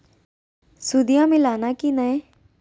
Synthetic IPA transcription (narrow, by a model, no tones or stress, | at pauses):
sud̪ijãmẽlaːnakinəẽ